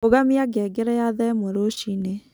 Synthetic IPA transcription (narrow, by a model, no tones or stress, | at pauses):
oɣamiaɡɛɡeɾɛjaðɛmoɾoʃine